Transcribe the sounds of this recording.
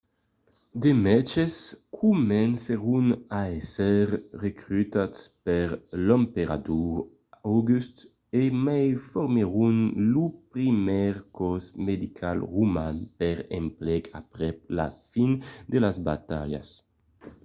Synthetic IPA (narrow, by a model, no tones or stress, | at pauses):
d̪emɛt͡ʃeskʰumɛnseʁunaɛsɛɾrekɾyt̪at̪spɛɾlɔmpeɾa̰d̪uʁ | awɡyst̪ | emajfɔɾmeʁunlupɾimɛʁkɔzmed̪ikʰalʁumanpɛɾḛmplɛka̰pɾɛp̚la̰find̪elazba̰t̪a̰ʎa̰s